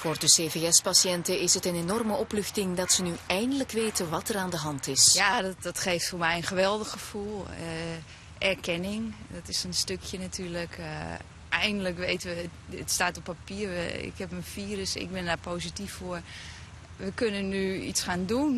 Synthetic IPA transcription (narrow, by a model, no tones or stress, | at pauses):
foːrdəseːveːɛspasjɛntəɪsətənenɔrməʔɔplʏxtɪŋdɔtsənyɛjndələkʋeːtʰəʋɑtəraːndəɦɑntɪsjaddɔtxeːftfoːrmɛjənxəʋɛlˠdəxxəfulˠə | ʔɛrkʰɛnɪŋdɔtɪsənstøkʰjənatʰyːərlək | ʔɛjndələkʋejtəʋəə̰tstaːtopːapiərʋə̰ɪ̰khɛpmənfiːrəsɪ̰k̚bɪndaːpoːsitifːoər | ʋəkønənːyḭtsxaːndun